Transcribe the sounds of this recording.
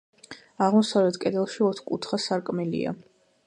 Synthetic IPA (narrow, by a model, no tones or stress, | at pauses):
aʁmɔsavlɛt̪ʰkʼɛd̪ɛlˠʃiɔt̪ʰχkʼṵt̪ʰχasaɾkʼmɛlḭa̰